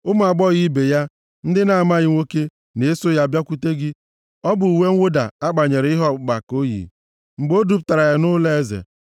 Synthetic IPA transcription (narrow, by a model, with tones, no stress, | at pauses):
ʊ˦m˨a˨ɡ͡bɔ˦ɣi˦be˨ja˦ | n̩˦dɪ˦na˨ma˦ɣɪ˦ŋʷo˦ke˦ | ne˨˦so˦ja˦a˨bja˦kʷu˦te˦ɡɪ˦ | ɔ˦bʊ˨u˨we˦ŋ̩ʷ˦ʊ˦da̰˨a˦k͡pa˨ɲe˨ɾɪ˦ɦɔ˦˨ɡ͡ba˨ko˦jḭ˨ | ŋ͡m̩˨ɡ͡bo˦du˦p̚ta˨ɾa˨ja˦nʊ˦le˦e˦zḛ˨